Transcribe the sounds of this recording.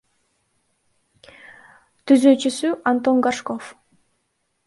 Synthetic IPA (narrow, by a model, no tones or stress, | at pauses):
t̪ʰyzøːt͡ʃysyʔant̪o̞ŋɡaʃkof